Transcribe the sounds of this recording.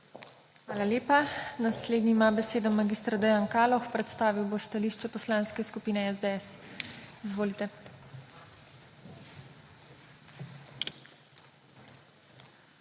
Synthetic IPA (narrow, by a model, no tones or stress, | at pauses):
xʋaːlaljeːpanasleːd̪niimabɛseːd̪ɔmaɡist̪ɾad̪ɛjankaːlɔxpɾɛt̪st̪aːʋiwbost̪aliʃt͡ʃɛpɔslaːnskɛskupiːnɛɛzd̪eɛsizʋoːlit̪ɛ